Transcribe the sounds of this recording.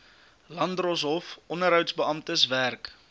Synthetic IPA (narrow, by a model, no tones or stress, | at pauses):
lɐndrɔs̬ɦɔfʔɔnəɾɦœwtsbəɐmtəsværk